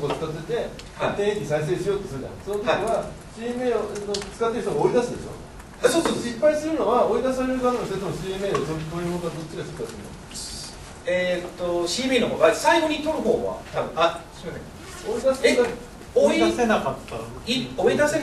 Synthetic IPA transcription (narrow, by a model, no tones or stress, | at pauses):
kot͡sɨ̥t̪at͡sɨet̪e̞ | at̪ẽẽkʲiɲisais̬e̞ːɕijo̞ːt̪ːosɨɾɯd̪a̰sonot̪iβa | ɕimeːnot͡sɨ̥kat̪ːeɾt̪oɡaoid̪asɨd̪ḛɕo̰ | asoːsoːsoɕipːaisɨɾɯ̟no̞βaoid̪asaɾeɾɯ̟zamenost̪et̪amoɕiːme̞ːd̪ot̪̬oikoikoɡ̪ad̪o̞t͡ɕːiɡaɕi̥pːaisɨɾɯna̰ | et̪ːoɕiːmeːnoɦoːʔasaiɡo̞ɲ̟it̪oɾɯ̟ɦo̰ːβa̰t̪abɯ̟̰̃a | oid̪as | oisaaioid̪ase